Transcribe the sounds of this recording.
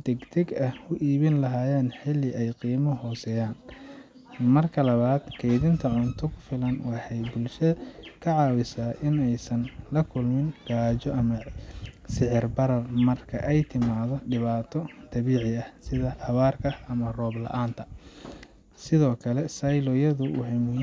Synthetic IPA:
d̪ɛɡt̪ʰɛɡɐhʊʔiːβɪnlɐɦaːjaːnħɪlːɪʔɛjqiːmɔɦɔːsɛːjaːn | mɐrkʰɐlɐβaːd̪̥kʰɛjðɪnt̪ʰɐʕʊnt̪ʰɔkʰʊ̥fɪlɐnwɑħɑjbʊlʃɐkʰɐʕɑːwɪsaːʔɪnɛjsɐnlɐkʰʊlmɪnɡ̥aːt͡ʃɔʔɐmɐ | sɪʕɪrbɐɾɐrmɐrkʰɐʔɛjt̪ʰɪmaːðɔɖɪβaːt̪ʰɔd̪̥ɐβiːʕɪɐhsɪðɐʔɐβaːrkʰɐɐmɐrɔːblɐ̰ʔaːnt̪ʰɐ | sɪðɔːkʰɐlɛsɐjlɔjɐðʊʊħɛm

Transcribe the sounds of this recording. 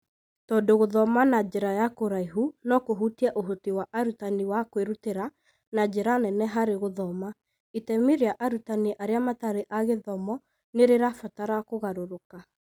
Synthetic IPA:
tɔːndoɣoðɔmanad͡ʒeɾajakoɾaiɦunɔkoɦutiɛʔoɦotiwaʔaɾutaniwakweɾuteɾa | nad͡ʒeɾanɛnɛɦaɾeɣoðɔma | itɛmiɾeaʔaɾutaniʔaɾeamataɾeʔaɣeðɔmɔ | neɾeɾafataɾakoɣaɾoɾoka

